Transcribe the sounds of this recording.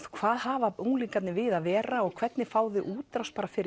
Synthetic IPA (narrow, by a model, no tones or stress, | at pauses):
kʰvaːðhaːvaowŋliŋkat̪nɪvɪðaðvɛːɾaɔɣkʰv̥ɛt̪nɪfaːwðɪʔuːt̪ɾawspaɾafɪɾɪ